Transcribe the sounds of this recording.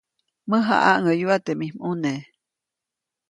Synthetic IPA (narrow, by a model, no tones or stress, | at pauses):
məɦa̰ʔaʔŋəjuat̪eʔmimune